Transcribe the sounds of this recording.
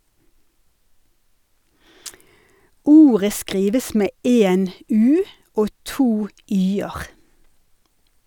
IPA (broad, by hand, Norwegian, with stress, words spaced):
ˈuːʁə ˈskʁiːʋəs ˈmeː ˈeːn ˈʉː ˈoː ˈtuː ˈyːəʁ